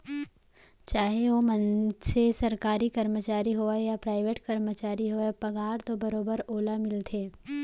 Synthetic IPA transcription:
t͡ʃaːɦeʋomə̃nsesɐɾkaːɾikɐɾmət͡ʃaːɾiɦoajapɾaːɪʋeːʈkɐɾmət͡ʃaːɾiɦoːepɐɡaːɾt̪obɐɾoːbəɾoːlamɪlt̪ʰeː

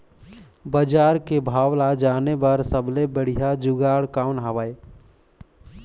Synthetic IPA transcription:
bəd͡ʒaːɾkebʱaːʋlad͡ʒaːnebəɾsəblebəɽ̤ijad͡ʒʊɡaːɽkaːʊnɦaʋaːe

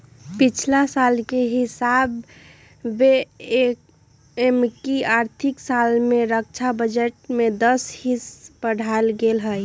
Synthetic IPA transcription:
pit͡ʃʰlasalkeɦɪsabː | eek | emkiaːɾt̪ʰiksalmẽɾək̚t͡ʃʰabəd͡ʒəʈ̚med̪əshispəɽ̤alɡelɦəj

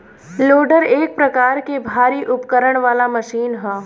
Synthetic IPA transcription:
loːɖəɾeːk̚pɾɐkaːɾkebʱaːɾiʔʊpkəɾəɽ̃ʋaːlaməʃiːnɦɛː

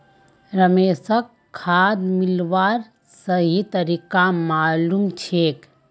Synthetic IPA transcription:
ɾəmeːsək | kʰːaːd̪milʋaːɾ | səɦit̪əɾiːkamaːlumt͡ʃʰeːk

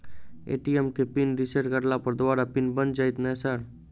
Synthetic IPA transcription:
ḛʈiemkepinɾiseʈkəɾlapəɾd̪oaɾapinbənd͡ʒajt̪nasaɾ

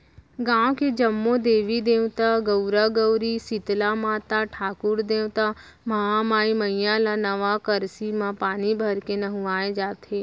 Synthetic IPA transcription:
ɡãːwked͡ʒɐmːõd̪eːʋid̪ẽːwt̪aɡəɾaɡəwɾisɪt̪lamãːt̪aʈʰaːkʊɾd̪eːwt̪a | mɐɦamaːiməjãlanəʋakəɾsimãpaːnibʱəɾkenɐɦũaːed͡ʒaːt̪ʰeː

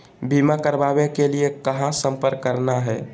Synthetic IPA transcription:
bimakəɾbabekeliekəɦãsə̃mpəɾkːəɾnaɦɛː

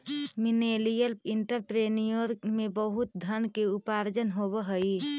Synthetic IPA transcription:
minelijəliɳʈəɾpɾenijoɾmebəɦut̪̚d̪ʱənkeupaɾd͡ʒənɦobəɦəi

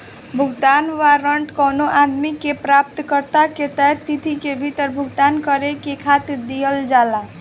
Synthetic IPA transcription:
bʱuɡd̪anʋaɾəɳʈkənoʔad̪mikepɾap̚t̪kəɾt̪aket̪ət̪it̪ʰikebʱit̪əɾbʱuɡd̪ankəɾekekʰat̪iɾd̪ijəld͡ʒala

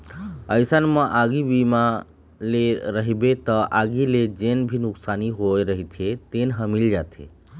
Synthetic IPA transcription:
əjsanməʔaɡibima | leɾəɦibet̪ɔʔaɡiled͡ʒenbʱinuksaniɦojɾəɦit̪ʰet̪enɦəmild͡ʒat̪ʰḛ

